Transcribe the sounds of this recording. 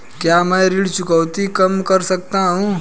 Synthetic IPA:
kjaməjɾiɽt͡ʃʊkəwt̪ikəmkəɾsək̚t̪aɦũ

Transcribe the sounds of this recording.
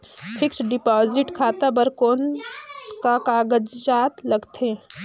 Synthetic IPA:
pʰɪksɖɪpaːzɪʈkʰaːt̪abəɾkoːn | kakaːɡəd͡ʒd͡ʒaːt̪lɐɡt̪ẽ

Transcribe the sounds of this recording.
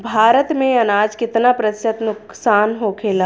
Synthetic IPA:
bʱaːɾət̪mẽɐnaːd͡ʒkɪt̪napɾəsət̪nʊk | saːnɦoːkʰeːlaː

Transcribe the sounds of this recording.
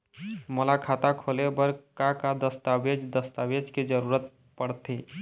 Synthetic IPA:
molakʰat̪akʰolebəɾkakad̪əst̪abed͡ʒd̪əst̪awed͡ʒked͡ʒəɾuɾət̪̚ | pəɽt̪e

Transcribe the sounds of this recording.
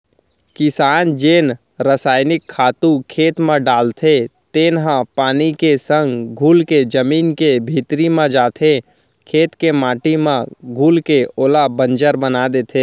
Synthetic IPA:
kɪsaːnd͡ʒeːn | ɾəsaːɪnɪkʰːaːt̪ũkʰeːt̪mãɖaːlt̪ʰet̪eːnɦãpaːnikesə̃ŋɡɡʱuːlked͡ʒəmiːnkebʱiːt̪ɾimãd͡ʒaːt̪ʰe | kʰeːt̪kemaːʈimãɡʱuːlkeoːlabə̃nd͡ʒəɾbənaːd̪et̪ʰeː

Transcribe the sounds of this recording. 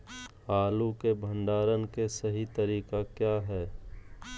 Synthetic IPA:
aːlukebʱə̃ɳɖaːɾənkesɐɦit̪əɾiːqakjaːɦɛː

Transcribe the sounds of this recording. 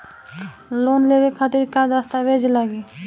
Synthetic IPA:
loːnleʋekʰːat̪ɪɾkad̪ɾast̪aʋeːd͡ʒlaɡiː

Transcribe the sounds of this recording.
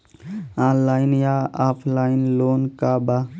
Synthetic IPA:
ãːnlaːinjaːaːpʰlaːjinloːnkaːba

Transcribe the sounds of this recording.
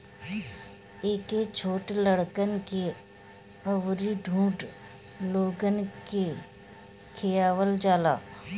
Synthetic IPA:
eːket͡ʃʰoːʈləɽkənke | əʋɾiɖʱũːʈ | loːɡənke | kʰejaːʋəld͡ʒaːla̰ː

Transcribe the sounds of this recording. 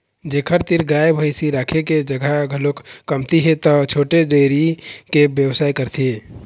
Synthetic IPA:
d͡ʒekʰəɾt̪iɾɡaebʱəɪsiɾaːkʰeked͡ʒəɡʱaɡʱəlokkəmt̪iɦet̪ɔt͡ʃʰoːʈeɖeɾikebjəwsaːjkəɾt̪ʰie

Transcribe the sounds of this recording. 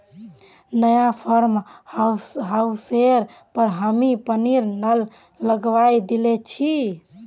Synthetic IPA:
nəjapʰəɾmhɦauseɾ | pəɾɦəmipəniɾnəlː | əɡʋajd̪ilet͡ʃʰi

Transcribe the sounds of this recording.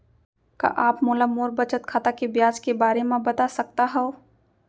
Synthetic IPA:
ka̰ʔaːpmoːlamoːɾbət͡ʃət̪kʰaːt̪akebjaːd͡ʒkebaːɾemãbɐt̪asɐk̚t̪aɦɛo

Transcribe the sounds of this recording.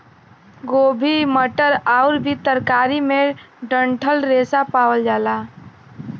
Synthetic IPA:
ɡoːbʱiməʈəɾaʊɾbʱit̪əɾkaːɾime | ɖəɳʈʰəlɾesapaːwəld͡ʒaːla

